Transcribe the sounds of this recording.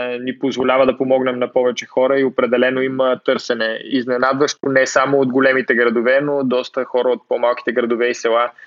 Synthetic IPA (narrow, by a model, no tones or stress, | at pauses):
nipozvolʲavəd̪ɐpomɔɡnɛmnɐpɔvɛt͡ʃɛxɔɾəiopɾɛd̪ɛlɛnoimət̪ɤɾsɛnɛiznɛnad̪vəʃt̪onɛsamoːd̪ɡolɛmit̪ɛɡɾɐd̪ovɛnod̪ɔst̪əxɔɾəot̪̚pɔmalˠki̥t̪ɛɡɾɐd̪ovɛisɛlˠa